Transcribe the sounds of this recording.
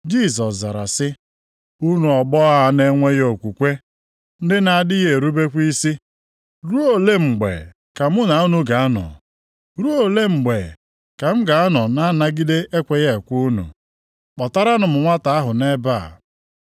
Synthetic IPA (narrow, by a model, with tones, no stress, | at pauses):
d͡ʒi˦˨sɔ˨sza̰˨ɾa̰˨sɪ˦ | u˦nu˨ɔ˨ɡ͡bɔ˦a˦ne˦ŋʷe˦jo˨kʷu˨kʷe˦ | n̩˦dɪ˦na˨a˨dɪ˦ɣe˨ɾu˦be˦kʷi˦si˦ | ɾu˦o˨le˦ŋ͡m̩˨ɡ͡bḛ˨ | ka˨mʊ˦na˨u˦nu˦ɡa˨a˦nɔ̰˨ | ɾu˦o˨le˦ŋ͡m̩˨ɡ͡be˨ | ka˨m̩˦ɡa˨a˦nɔ˨na˦na˦ɡi˦de˦e˦kʷe˨je˦˨kʷu˦nṵ˨ | k͡pɔ˨ta˦ɾa˦nʊ˨m̩˨ŋʷa˦ta˨a˦ɦʊ˨ne˦ba˦˨